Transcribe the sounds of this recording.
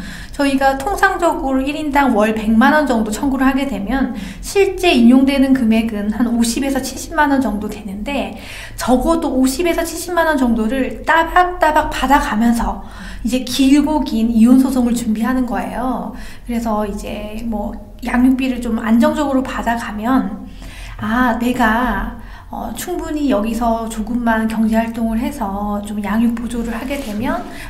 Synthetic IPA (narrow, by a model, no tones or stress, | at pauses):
t͡ɕʌiɡatʰoŋsʰaŋd͡ʑʌɡɯɾoiɾindaŋwʌɭpe̞ŋmanʌnd͡ʑʌŋdot͡ɕʰʌŋɡuɾɯɭhaɡe̞dwe̞mjʌn | ɕʰiɭt͡ɕ͈e̞iɲoŋdwe̞nɯnkɯme̞ɡɯnhanoɕʰibe̞sʰʌt͡ɕʰiɭɕ͈ʰip̚manʌnd͡ʑʌŋdodwe̞nɯnde̞ | t͡ɕʌɡʌdoːɕʰibe̞sʰʌt͡ɕʰiɭɕ͈ʰipmanʌnt͡ɕʌŋdoɾɯɭt͈abak̚t͈abak̚padaɡamjʌnsʰʌ | id͡ʑe̞kiɭɡoɡinionsʰosʰoŋɯɭt͡ɕumbiɦanɯnɡʌe̞̰jo | kɯɾe̞sʰʌid͡ʑe̞mwʌ | jaŋjuk̚p͈iɾɯɭt͡ɕoma̰nd͡ʑʌŋd͡ʑʌɡɯɾopadaɡamjʌn | ane̞ɡa | ʌ̰t͡ɕʰuŋbuɲijʌɡisʰʌt͡ɕoɡɯmːankjʌŋd͡ʑeɦaɭt͈oŋɯɭɦe̞sʰʌt͡ɕomjaŋjuk̚p͈od͡ʑoɾɯɭhaɡe̞dwe̞mjʌn